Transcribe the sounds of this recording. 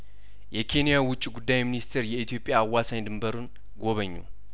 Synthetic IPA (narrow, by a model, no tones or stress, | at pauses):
jɛkʰe̞nijawʊt͡ʃʼːiɡud̪ːajminist̪ʰeɾjɛit̪ʰijo̞pʼjaːwːasaɲd̪ɨmbəɾun | ɡo̞βəɲːṵ